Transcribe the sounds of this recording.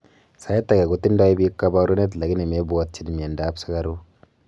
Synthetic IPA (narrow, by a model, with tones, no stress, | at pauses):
sa˨je˦t̪ːa˨ɡa˨ɡo˨˦t̪ːi˦nda˦i˦bi˦kːa˦ba˦ɾu˦ne˦t̪la˨ɡi˦ne˨me˦bu˨a˦t̪̚t͡ʃi˦dmi˨e˨nda˨˦bsa˦ɡa˦ɾu˦